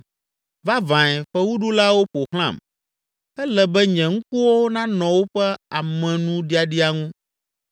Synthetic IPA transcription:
va˦vã˨ɛ˨ɸɛ˦wu˦ɖu˦la˦wo˦ɸo˨xl̃ã̰˦˨m | ɛ˦lɛ˨bɛ˦ɲɛ̃˨ŋũ˦ku˦wo˦wo˦nã˦nɔ̃˨wo˦ɸɛ˦a˨mɛ̃˨nũ˦ɖi˦a˨ɖi˦a˨ŋũ˦

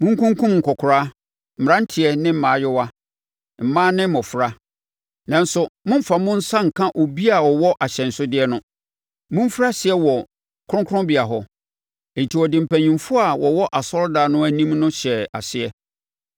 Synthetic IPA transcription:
mʊ̃˦ŋ̩˦kʰʊ̃˦ŋ˦kʰũ˦mŋ̩˨kʰɔ˨kʰʊ˨ɾa˦ | m̩˨m˨ã˦n̩˦tʰɪ˨ɛ˦nɪ̃˦m̩˨mãː˨˦jɪ˦wa˦ | m̩˨mãː˦nɪ̃˦mɔ̃˨fɾa˦ | nã˨n̩˦sʊ˨mʊ̃˦m̩˦fa˨mʊ̃˦n̩˦sã˦ŋ̩˨kʰã˦ʔo˨bi˦a˨wɔ˨wɔ˦ʔa˨ɕɛ̃˨n̩˨sʊ˦dɪ˦ɛ˦nʊ̃˦ | mʊ̃˦m˦fɾa˦ɕɪ˨ɛ˦wɔ˨ | kʰʊ˦ʊ̃˦kʰʊ̃˦bɪ˨a˨ɦɔ˦˨ | n̩˨tʰi˨wɔ˨dɪ̃˨m̩˨pʰæ˨ɲĩ˨mfʊ˦a˨wɔ˨wɔ˦ʔa˨sɔ˦ɾdaː˨nʊ̃˦æ˨nĩ˦mnʊ̃˦ɕɛ˨a̰˨sɪ˦ɛ˦

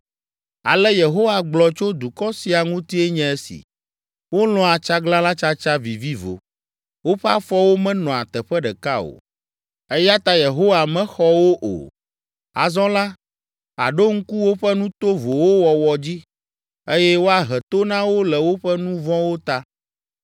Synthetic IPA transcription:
a̰˨lɛ˦je˨ɦo˦wa˨ɡ͡blɔ˨t͡ʃo˦d̪u˨kɔ˦si˨a˨ŋũ˦t̪i˦e˦ɲɛ̃˦e˦sḭ˨ | wo˦lɔ̃˦a˨t͡ʃa˦ɡlã˦la˦t͡ʃa˦t͡ʃa˦vi˨vi˦vo̰˨ | wo˦ɸɛ˦a˦fɔ˦wo˦mɛ̃˦nɔ̃˨a˨t̪ɛ˨ɸɛ˦ɖɛ˨ka˦o̰˨ | e˦ja˦t̪a˦je˨ɦo˦wa˨mɛ̃˦xɔ˦wo˦ʔo̰˨ | a̰˨zɔ̃˦la˦ | a̰˨ɖo˦ŋ̩˦ku˦wo˦ɸɛ˦nũ˦t̪o˦vo˨wo˦wɔ˨wɔ˨d͡ʑi˦ | e˦jɛ˦wo˦a˨ɦɛ˨t̪o˦nã˦wo˦lɛ˨wo˦ɸɛ˦nũ˦vɔ̃˦wo˦t̪a˦

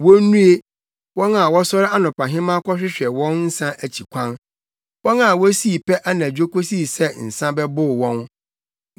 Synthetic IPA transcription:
wɔ˦nũ˦e˦ | wɔ̃˦na˨wɔ˦sɔ˦ɾɪ˦a˦nʊ̃˨pã˨ɦɪ̃˦mã˦kʷʰɔ˦ɕᶣɪ˦ɕᶣɛ˨wɔ̃˦nn̩˦sã˦ʔæ˨t͡ɕʰi˨kʷʰã˦n | wɔ̃˦na˨wɔ˦si˦˨pʰɛ˦ʔa˦nã˨d͡ʑᶣo˦ko˦si˦˨sɛ˦n̩˨sã˦bɛ˦bʊ˦˨wɔ̃˦n

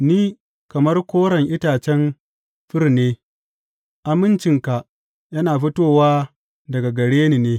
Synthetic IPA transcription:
niː˦ | kɐ˨mɐ˦rkʷoː˦ɽɐ˨ŋʔɪ˦taː˨t͡ʃɛ˦n | ɸɪ˦rneː˦ | ʔa˨mɪ˦nt͡ʃɪ˨ŋka˨ | jɐ˦naː˨ɸɪ˦toː˦˨waː˦ | dɐ˨ɡa˨ɡɐ˨ɽeː˦niː˨neː˦

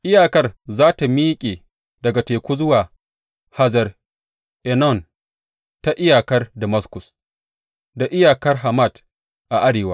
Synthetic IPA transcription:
ʔɪ˦jaː˨kɐ˦rzaː˦ta˨miː˦kʲʼeː˨ | dɐ˨ɡa˨teː˨kʷuː˦zʊ˦waː˨ | ha˦zɐ˨r | ʔɛ˨nɔ˦˨n | ta˨ʔɪ˦jaː˨kɐ˦rdɐ˨mɐ˦skʊ˨s | da˨ʔɪ˦jaː˨kɐ˦rɦa˨ma˦˨d | ʔa˨ʔa˦ɽeː˨waː˦

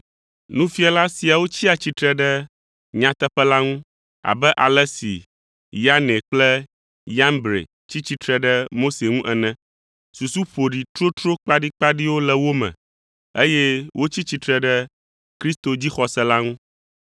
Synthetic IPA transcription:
nũ˦fi˦a˨la˦si˨a˨wo˦t͡ɕi˦a˨t͡ɕi˦t̪ɾɛ˦ɖɛ˦ | ɲã˨t̪ɛ˦ɸɛ˦la˦ŋũ˦ | a̰˨bɛ˦ʔa̰˨lɛ˦sḭ˨ | ja˦ne˨k͡plɛ˦ | ja˦mbɾḛ˨ | t͡ɕi˦t͡ɕi˦t̪ɾɛ˦ɖɛ˦mo˦se˨ŋũ˦ʔɛ˨nɛ̃˦ | su˨su˦ɸo˨ɖi˨t̪ɾo˦t̪ɾo˦k͡pa˦ɖi˦k͡pa˦ɖi˦wo˦lɛ˦wo˦mɛ̰̃˨ | e˦jɛ˦wʔo˦t͡ɕi˦t͡ɕi˦t̪ɾɛ˦ɖɛ˦ | kɾi˦st̪o˨d͡ʑi˦xɔ˨sɛ˦la˦ŋũ˦

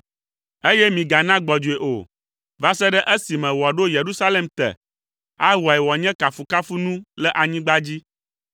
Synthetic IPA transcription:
e˦jɛ˦mĩ˨ɡa˨nã˦ɡ͡bɔ˨d͡ʒu˨e˨ʔo̰˨ | va˦sɛ˦ɖɛ˦ʔe˦si˨mɛ̃˨wɔ˨ɖo˦je˨ɾu˦sa˦le˦mt̪ɛ̰˨ | a˦wa˨ɛ˨wɔ˨ɲɛ̃˦ka˨fu˨ka˦fu˦nũ˦lɛ˦ʔa˨ɲĩ˦ɡ͡ba˦d͡ʑi˦

